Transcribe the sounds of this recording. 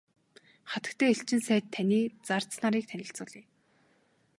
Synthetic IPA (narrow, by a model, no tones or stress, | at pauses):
χat̪ə̆k̚t̪ʰeːeɬt͡ɕɪ̆nsæːt̪ʰːanʲiːt͡sar̥t͡snaɾiːk̚t̪ʰænʲɪ̆ɬt͡sʊːɮiː